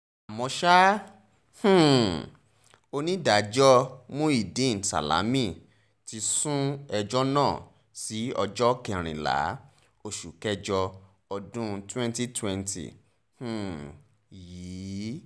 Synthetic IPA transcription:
a˨mɔ̃˧ʃa˦ | h̩˦˨ | o˧nĩ˦da˨d͡ʒɔ˦mũ˦i˨dĩ˦˨n̩˨sa̰˨la̰˨˦mĩ˦˨ | ti˧sũ˦ɛ˧d͡ʒɔ˦nãː˦˨ | si˨˦ɔ˧d͡ʒɔ˦kɛ˦˨ɾ̃ĩ˨la̰˨˦ | o˧ʃu˨kɛ˦d͡ʒɔ˧ | ɔ˧dũ˦twɛ̃˦nti˦twɛ̃˧ntḭ˨ | h̩˨ | jiː˨˦

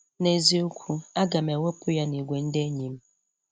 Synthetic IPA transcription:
ne˨zi˨o˦kʷʰu˦a˦ɡa˨me˨wʷe˦pʊ˦ja˦ni˨ɡʷe˨n̩˦de˦e˦ɲi˨m̩˦

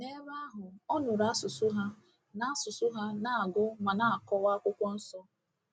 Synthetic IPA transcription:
ne˦ba˦ɦʊ˨ɔ˦nʊ˨ɾa˦a˦sʊ˨sʊ˦ɦa˦ | na˦a˦sʊ˨sʊ˦ɦa˦na˨a˨ɡʊ˦ma˨na˦a˨kɔ˦wa˦kʷʊ˦kʷɔ˦n̩˦sɔ˦

